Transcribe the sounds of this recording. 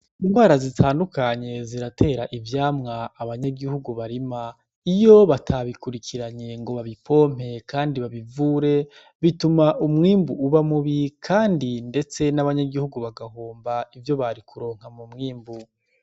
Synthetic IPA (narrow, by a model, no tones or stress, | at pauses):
inhwaːɾazitʰaːndukaɲe̞ziɾatʰe̞ːɾaʔivjaːmŋaːβaɲaɡihuɡuβaɾima | ijo̞βatʰaβikuɾikʰiɾaɲe̞ŋɡo̞βaβipʰo̞ːm̥e̞kʰaːndiβaβivuːɾe̞ | βitumaʔumŋiːmbuʔuβamuβikʰaːndinde̞t͡se̞naβaɲaɡihuɡuβaɡahoːmbaivjo̞βaɾikʰuɾo̞ːŋ̥amumŋiːmbu